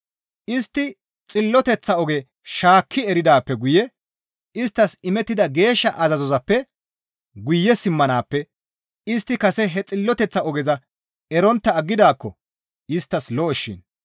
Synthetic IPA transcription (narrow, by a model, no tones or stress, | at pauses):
ʔɪst̪ːɪ | t͡sʼɪlːɔt̪ɛt͡sːɐɔɡɛ | ʃaːkʰːɪɛɾɪd̪aːpːɛɡʊjɛ | ɪst̪ːɐsɪmɛt̪ːɪd̪ɐɡe̞ːʃːɐʔɐzɐzɔzɐpːɛ | ɡʊjːɛsɪmːɐnaːpːɛ | ɪst̪ːɪkɐsɛɦɛt͡sʼɪlːɔt̪ɛt͡sːɐɔɡɛzɐ | ɛɾɔnt̪ːɐːɡːɪd̪aːkːɔ | ɪst̪ːɐslɔɔʃːɪ̰n